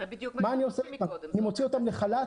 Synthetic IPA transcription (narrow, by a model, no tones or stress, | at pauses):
maːnioseanimot͡sio̞t̪amleχala